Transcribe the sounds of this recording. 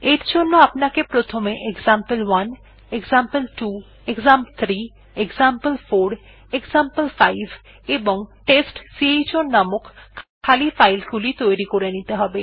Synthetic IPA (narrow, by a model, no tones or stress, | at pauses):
eɾd͡ʑonːoapnakepɾot̪ʰomeʔekzampəlwan | eɡzampəlʈu | eɡzampt̪ʰɾi | ekzampəlfoɾ | ekzampəlfajbʱ | eboŋʈesʈsiejt͡ɕonnːamokkʰːalifajlɡulit̪ojɾikoɾenit̪eɦɔbe